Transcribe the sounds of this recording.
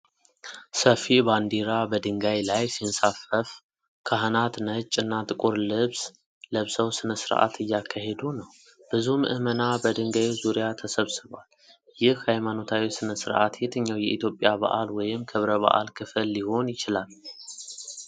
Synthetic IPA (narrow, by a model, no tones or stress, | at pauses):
səfiband̪iɾabəd̪ɨŋɡajlajsinsafəf | kʰaɦɨnat̪nət͡ʃʼːɨnːat̪ʼɨkʼuɾlɨβs | ləβsəwsɨnəsɨɾʔa̰t̪ʰɨjːakʰːaɦe̞d̪unəw | b̥ɨzumɨʔɨmənabəd̪ɨŋɡajuzuɾijat̪ʰəsəβsɨβwal | jɪhhajmano̞t̪ʰawisɨnəsɨɾʔat̪jɛt̪ʰəɲːawjɛʔit̪jo̞pʼːjaba̰ʔalwɔjɪmkʰɨβɾəβə̰ʔa̰lkʰɨfɨlːiho̞njɪt͡ʃɪlal